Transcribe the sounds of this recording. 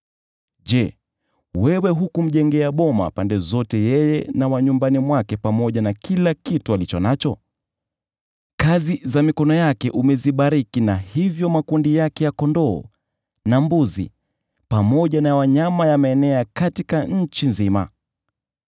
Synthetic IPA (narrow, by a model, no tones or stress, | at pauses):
ʄɛ | wɛwɛɦukum̩ʄɛŋɡɛaɓɔma̰pandɛzɔtɛjɛjɛnawaɲumbanimwakɛpamɔʄanakilakitualit͡ʃɔnat͡ʃɔ | kazizamikɔnɔjakɛʔumɛziɓaɾikinahivjɔmakundijakɛjakɔndɔ̰ː | nambuzḭ | pamɔʄanawaɲamajamaɛnɛakatikaɲ̩t͡ʃinzima̰